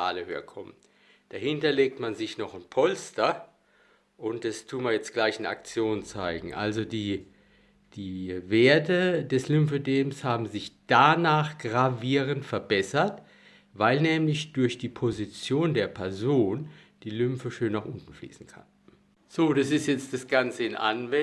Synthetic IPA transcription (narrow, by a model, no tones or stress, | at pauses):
a̰ːləhøːɐkʰɔmən | d̥ahɪntɐleːk̚tmanzɪçnɔχɪnpʰɔlstɐ | ʔʊnt̚d̥astʰuːmaɐjɛt͡stɡ̥laɪçɪna̰k̚t͡sjoːnt͡saɪɡŋ̩ʔa̰lzodiː | d̥iːveːɐtədɛslʏmfədeːmshaːbm̩zɪçd̥anaːχɡ̥ʁaviːʁ̞əntfɛɐbɛsɐt | vaɪlnɛːmlɪçd̥ʊɐçd̥iːpʰozit͡sjoːndeːɐpʰɛɐzoːn | d̥iːlʏmfəʃøːnːaːχʔʊntn̩flḭːsn̩kʰa̰n | z̥oːdasɪstjɛt͡std̥asɡ̥ant͡səɪnʔa̰nvɛ